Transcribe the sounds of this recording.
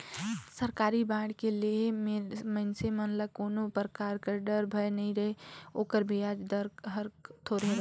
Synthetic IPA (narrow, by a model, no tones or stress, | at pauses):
səɾkaːɾibãːɽkeliemməɪnsemɐnləkoːnopɾəkaːɾkəɾɖəɾbʱɐjnɐɦĩɾɐɦeoːkəɾbʱiaːd͡ʒɖəɾɦəɾt̪ʰoɾɦẽɾ